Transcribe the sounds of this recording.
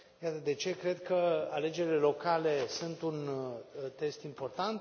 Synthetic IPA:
jat̪əd̪e̞t͡ʃe̞kɾe̞d̪kəale̞d͡ʒe̞ɾile̞lo̞kale̞sunt̪unt̪e̞st̪impo̞rt̪ant̪

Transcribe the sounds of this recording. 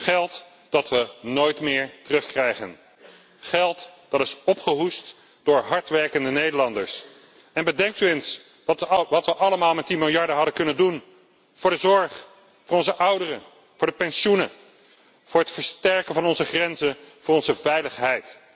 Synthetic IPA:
χɛlˠt | d̥ɑtʋənojtmɪːɹtərɵχkrɛjχən | χɛlˠtd̥ɑtɪsɔpχəɦust | d̥ʊːɹɦɑɹtʋɛɹkəndənejdəlɑndəɹs | ɛnbədɛŋk̚tyəns | ʋɑtʋəʔɑləmaːlˠmɛtdimɪlˠjɑɹdəɦɑdəkɵnəndun | v̥ʊːɹdəzɔɹχ | vʊːɹɔnzəʔʌwdərə | vʊːɹdəpɛnʃunə | v̥ʊːɹɦətfəɹstɛɹkənvɑnɔnzəχrɛnzənvʊːrɔnzəvɛjləχɦɛjt

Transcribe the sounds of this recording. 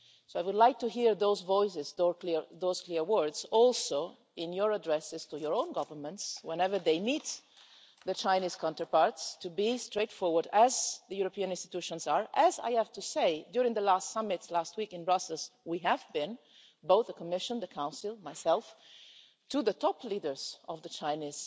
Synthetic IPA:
soʊajwʊdlajk̚tuɦiɹðoʊzvɔɪsɪzðokliðoʊz̥kliɹwɜ˞dz̥ɔlˠso | ɪ̃njɔɹadɹɛsɪz̥tujɔɹõʊ̃nɡʌvənmə̃ntswɛ̃nɛvə˞ðeɪmit | ðət͡ʃaɪniːz̥kʰɔ̃ntə˞paɹtstubistɹeɪtfɔɹwəɹdæzðəjuɾɔpiə̃nɪ̃nstit̪uʃɔ̃nzaɹæza̰jæv̥tuseɪdjuɾɪ̃ŋðəlastsʌmɪtlast̚wikɪ̃nbɹʌsəl̩zwiɦævbɪ̃n | boʊθðəkɔmɪʃə̃nðəkʰãʊ̃nsɪlˠmajsɛlˠf | tuðətɔplidə˞zɔvðət͡ʃaɪniːz̥

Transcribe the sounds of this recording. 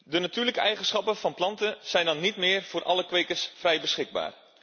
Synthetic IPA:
dənatyːləkəʔɛjχənsχɑpəfɑnplɑntəz̥ɛjndɑnːitmɪːərvʊːrʔɑ̰ləkʋekəsfrɛjbəsχɪɡ̚ba̰ːr

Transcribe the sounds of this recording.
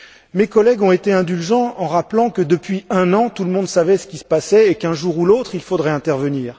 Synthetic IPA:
mekɔlɛɡɔ̃et̪eɛ̃d̪ylʒɑ̃ɑ̃ʁaplɑ̃kəd̪əpɥiɛ̃nɑ̃t̪uləmɔ̃d̪savɛsə̥kʲisə̥pasɛekɛ̃ʒuʁulot̪χilfod̪ʁɛɛ̃t̪ɛʁvəniːʁ

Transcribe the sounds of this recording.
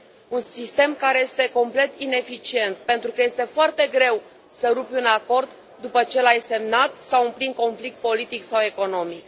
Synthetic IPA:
unsist̪e̞mkaɾe̞je̞st̪e̞ko̞mple̞t̪ine̞fit͡ʃie̞nt̪̚pe̞nt̪ɾukəje̞st̪e̞foart̪e̞ɡɾe̞w | səɾupʲunako̞rd̪ | d̪upət͡ʃe̞lajse̞mnat̪sawɨmpliŋko̞nflik̚t̪̚po̞lit̪iksawe̞ko̞no̞mik

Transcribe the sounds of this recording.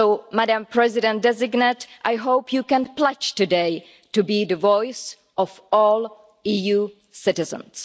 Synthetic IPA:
owmadãmpɹɛzɪdɛ̃nt̚dɛzɪɡnɛtʔajɦowpʰjuːkɛ̃nplɛt͡ʃtudej | tubiːdəvɔjs | ɔfɔːl | iːjuː | sɪtɪzə̰̃ns

